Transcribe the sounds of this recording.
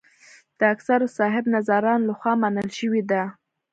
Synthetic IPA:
d̪̥əaksaɾosɑɦɪbnazaɾɑnlaxwɑmanəlʃəwid̪a

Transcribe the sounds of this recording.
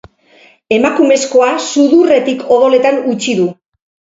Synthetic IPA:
e̞makume̞sko̞asuðure̞t̪ikʰo̞ðo̞le̞t̪anut͡ʃiðu

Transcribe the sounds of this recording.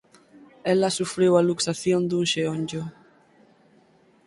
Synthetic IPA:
elasufɾewaluksaθjõnd̪uŋʃeoɲd͡ʒo

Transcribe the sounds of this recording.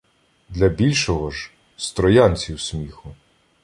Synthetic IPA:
d̪lʲɐbʲilʲʃɔɦɔʒ | st̪ɾɔjanʲt͡sʲiwsʲmʲixʊ

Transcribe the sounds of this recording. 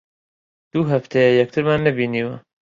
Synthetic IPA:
d̪̥uɦɐft̪ʰejɛjɛk̚t̪ʰɨɾmaːnːɐbiːniːwɐ

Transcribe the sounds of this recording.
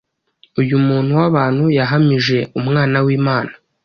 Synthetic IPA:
ujumuːn̥huwaβaːnhujaɦamiʒe̞umŋaːnawiːmaːna

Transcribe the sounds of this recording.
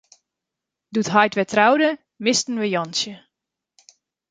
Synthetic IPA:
dutɦajtʋɛtʰrawdə | mɪstən̩ʋəjɔnsjə

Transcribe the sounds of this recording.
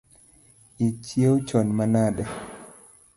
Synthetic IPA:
it͡ʃjewt͡ʃɔnmanadɛ

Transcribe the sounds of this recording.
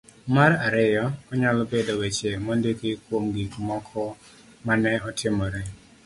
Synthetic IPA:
maɾaɾɛjɔɔɲalɔbedowet͡ʃemɔndekɪkwomɡikmɔkʰɔ | manɛɔtʰɪmɔɾɛ

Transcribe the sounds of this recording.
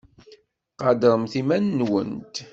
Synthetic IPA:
qɑd̪əɾˤəmθimænːwə̰nt̪

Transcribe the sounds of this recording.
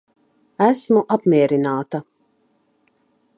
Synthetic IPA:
æsmuʔapmʲiɛɾinaːt̪a

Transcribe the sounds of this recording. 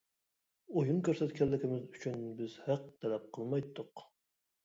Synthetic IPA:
ojunkʲʰøɾsɛt̪kʲʰɛlːɪkʲɪmɪzyt͡ʃʰynbɪzhæq̚t̪ʰɛlɛp̚qʰəlˠmɑjt̪ʰːʊq

